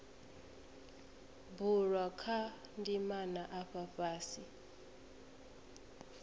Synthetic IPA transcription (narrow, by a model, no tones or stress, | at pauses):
buɺwakʰandimanaʔaɸaɸaːsi